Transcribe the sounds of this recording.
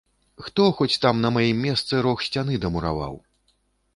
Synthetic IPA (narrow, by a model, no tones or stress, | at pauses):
xt̪ɔxɔt͡sʲt̪amnɐmajimːʲɛst̪sɨɾɔxsʲt͡sʲan̪ɨd̪ɐmuɾa̰va̰w